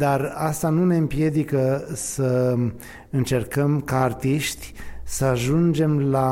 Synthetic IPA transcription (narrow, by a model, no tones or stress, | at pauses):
d̪arast̪anune̞ɨmpje̞d̪ikəsə | ɨnt͡ʃe̞rkəmkaːrt̪iʃt̪ʲsəaʒund͡ʒe̞mla